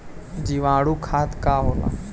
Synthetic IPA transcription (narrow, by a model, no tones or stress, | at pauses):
d͡ʑiʋãɽukʰat̪kaɦola̰